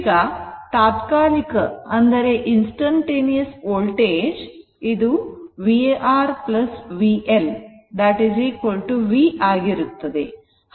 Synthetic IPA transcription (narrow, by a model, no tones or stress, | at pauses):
kat̪aːt̪kaːlikɐɐnd̪ɐɾeʔinsʈɐɳʈeːniɐsoːlʈeːd͡ʒ | id̪uʋiʔaːɾplɐsʋiʔel | d̪æʈizɾiːkʋɐlʈuʋiaːɡiɾut̪ːɐd̪ḛ